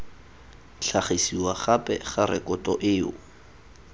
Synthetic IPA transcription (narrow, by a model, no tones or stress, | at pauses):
ɬʰaχisiwaχapʼɛχaɾɪ̰kʼʊtʼɔʔɪːʊ